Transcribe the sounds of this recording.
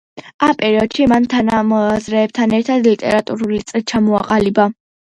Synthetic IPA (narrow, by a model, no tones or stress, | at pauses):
ampʼɛɾiɔd̪̥ʃimant̪ʰanamɔazɾɛːb̚t̪ʰanɛɾt̪ʰad̪lit̪ʼɛ̰ɾat̪ʼuɾulit̪sʼlit͡ʃʰamɔa̰qʼaliba